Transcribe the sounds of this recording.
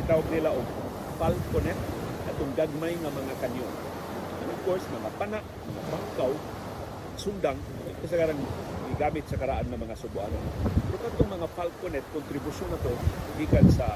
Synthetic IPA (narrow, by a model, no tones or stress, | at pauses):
ɪt̪awaɡ̚nɪlaʔʊɡ | falkonɛt̪̚ɐt̪oŋɡaɡ̚majŋamɐŋakanjon | anɐfkoɹsmɐŋapanaʔmɐŋa̰baŋkaw | sʊnd̪aŋ | kas̬aɡaɾanɡɪɡaːmɪt̪̚sɐkɐɾaʔanŋɐmɐŋasʊbʊʔa̰nonpɛɾokat̪ʊŋmɐŋafalkonɛt̪̚kʊnt̪ɾɪbʊʃʊnat̪oɡiːkansa